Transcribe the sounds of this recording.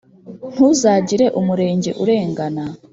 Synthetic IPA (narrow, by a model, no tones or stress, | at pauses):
n̥huzaːɟiɾe̞ʔumuɾe̞ːɲɟe̞̰ʔuɾe̞ːŋɡana